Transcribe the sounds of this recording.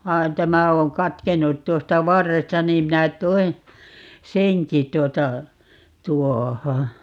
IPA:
ʋɑi̯n tæmæ õː kɑtkenːut tuostɑ ʋɑrːestɑ niːm minæ toin̞ seŋki tuotɑ tuoho

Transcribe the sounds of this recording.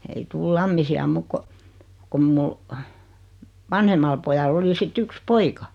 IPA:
ei tuːl lɑmːisiɑ muːk ko kom mu ʋɑnhemɑl pojɑlː oli sit yks poikɑ

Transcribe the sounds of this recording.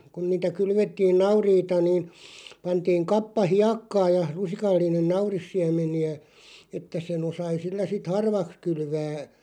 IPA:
kun niːtæ kylʋetːiːn nɑuriːtɑ niːn̞ pɑntiːŋ kɑpːɑ hiɑkːɑː jɑ lusikɑlːinen nɑurisːiæmˑeniæ etːæ sen osɑi silːæ sit hɑrʋɑks kylʋæː

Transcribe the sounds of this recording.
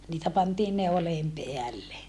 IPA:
niːtæ pɑntiːn neoleːm peælːe

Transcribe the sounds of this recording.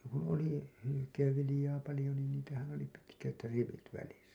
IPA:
kun̞ oli hylykeːʋːilĭjɑː pɑlĭjo niːn niːtæhæn oli pitkæt riʋit ʋælistæ

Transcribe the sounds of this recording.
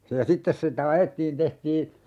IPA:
se jɑ sitːes sitæ ɑjetːiːn tehtiː

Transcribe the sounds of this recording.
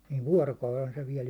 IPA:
niːʋ ʋuɒrokɑulen se ʋiɛl

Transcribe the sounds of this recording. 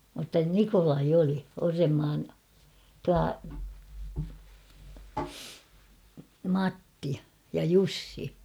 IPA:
mutːɑ nikolɑi oli orːemːɑːn tuɑ mɑtːi jɑ jusːi

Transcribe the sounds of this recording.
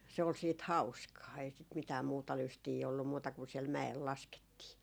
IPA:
se ol siːt hɑuskɑː ei sit mitæː muːtɑ lystiː olːum muːtɑ kun siɛl mæel lɑsketːiː

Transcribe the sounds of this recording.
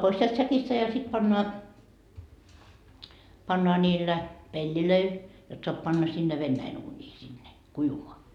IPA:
pois sielt sækistæ jɑ sit pɑnːoɑ pɑnːoɑ nʲiːlːæ pelʲːiløil jot soɑp pɑnːɑ sinːe ʋenːæin uːnʲiː sinːe kuiʋumoɑ

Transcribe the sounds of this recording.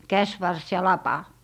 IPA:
kæsʋɑrs jɑ lɑpɑ

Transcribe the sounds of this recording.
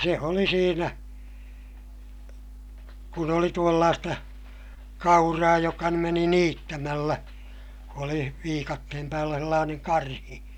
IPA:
se oli siːnæ kun oli tuolːɑːstɑ kɑurɑː jokɑ nym meni niːtːæmælːæ oli ʋiːkɑtːehem pæːlːæ selːɑːneŋ kɑrhi

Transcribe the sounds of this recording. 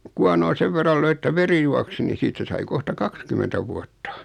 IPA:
kuɑnoː seʋ ʋerːɑl løi ĕtːæ ʋeri juɑksi ni siːtˑæ sɑi kohtɑ kɑkskymentæ ʋuɑtːɑ

